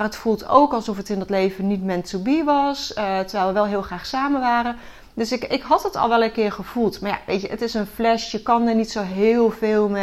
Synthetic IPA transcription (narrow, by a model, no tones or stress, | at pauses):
arɦətfulˠto̰wkɑlˠsɔfətɪndɑtlejvənitmɛntubiʋɑstəɹʋɛjlˠʋəʋɛlˠɦɪːlˠχraːχsaːməʋaːɾən | døsɪkɪkɦɑtɦətɑ̰lˠʋɛlˠəkɪːɹχəv̥ulˠtmaɹja̰ʋʔḛjtəʔətɪsənflɛʃjəkɑnəɹnitsowɦɪːlˠvɪːlˠmɛ